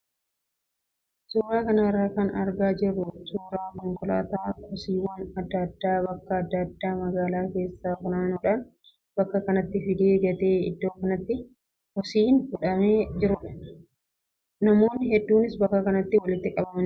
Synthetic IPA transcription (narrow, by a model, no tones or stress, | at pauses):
suːɾaːkɐnɐrːaːkɐnɐ̰ɾɡaːd͡ʒɪrːʊsuːɾaːmɔŋkʼʊla̰ːt̪aːkɔsiːwɐnɐd̪ːɐd̪ːaːbɐkːɐːd̪ːɐd̪ːaːmɐɡaːlaːke̞ːsːaːkʊnaːnuːᶑɐn | bɐkːɐkɐnɐt̪ːɪfɪd̪eːɡɐt̪e̞ːɪ̰d̪ːo̞ːkɐnɐt̪ːɪ | kɔsiːnfʊᶑɐme̞ːd͡ʒɪɾʊᶑɐ̥ | nɐmo̞ːnːɪɦɛd̪ːuːnɪsbɐkːɐkɐnɐt̪ːɪwɐlɪt̪ːɪkʼɐbɐmɐn